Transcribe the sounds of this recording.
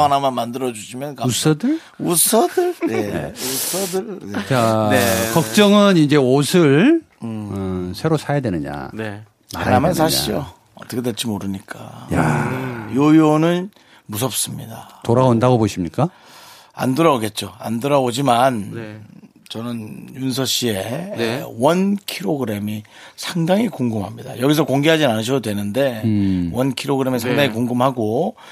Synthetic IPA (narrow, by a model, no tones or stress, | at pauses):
anamanmandɯɾʌd͡ʑuɕʰimjʌnkausʰʌdɯɭ | usʰʌdɯɭjenḛusʰʌdɯɭet͡ɕakʌk̚t͡ɕ͈ʌŋɯnind͡ʑe̞osʰɯɭ | ɯsʰe̞ɾosʰajadwenɯɲa̰ne | maaɾamansʰaɕʰio | ʌt͈ʌkʰedet͡ɕ͈imoɾɯɲik͈ajajojonɯn | mus̬ʰʌp̚s͈ɯmɲidatoɾaondaɡoboɕʰimɲik͈a | a̰ndɯɾaoɡe̞t̚t͡ɕ͈oa̰ndɯɾabod͡ʑiman | t͡ɕʌnɯnjuns̬ʰʌɕ͈ie̞ | wʌnkʰiɾoɡɯɾe̞mi | sʰaŋdaŋikuŋɡɯmɦamɲida̰jʌɡis̬ʰʌkoŋɡeɦad͡ʑinanɯɕ̬ʰʌdodwe̞nɯnde̞wʌnkʰiɾoɡɯɾe̞mesʰaaŋdaŋikuŋɡɯmɦaɡo